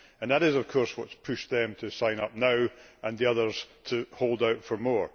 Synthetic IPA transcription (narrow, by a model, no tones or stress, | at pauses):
ə̃nðəɾɪzəv̥kʰɔɹswʌtspʰʉʃðɨ̃mtʰɨsãɪ̃nʌp̚naʊʔə̃nðiʌðə˞z̥tʰəholˠdaʊtfə˞mɔɹ